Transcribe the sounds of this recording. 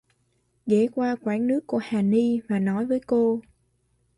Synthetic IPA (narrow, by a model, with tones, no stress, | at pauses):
ɣe˧˩˦kwaː˧kwaː˧˩nnɨ˦˥əkːu˧˩əhaː˨˩ni˧vaː˨˩nɔ˨˦jvəː˨˦jko˧